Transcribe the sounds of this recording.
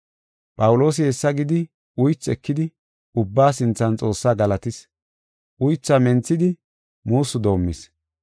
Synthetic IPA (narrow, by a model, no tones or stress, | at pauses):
pʼɐwʊlo̞ːs̬ɪhɛsːɐɡɪd̪ɪ | ʊjt͡sːɛkːɪd̪ɪ | ʊbːaːsɪnt͡sːɐnt͡sʼo̞ːsːaːɡɐlɐt̪ɪs | ʔʊjt͡sːɐmɛnt͡sːɪd̪ɪ | muːsːʊd̪o̞ːmːɪs